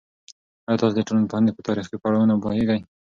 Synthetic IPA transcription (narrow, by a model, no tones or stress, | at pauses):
ajɑt̪ɑsed̪əʈolunpand̪epət̪ɑɾixkepaɽawənabɑheɡaj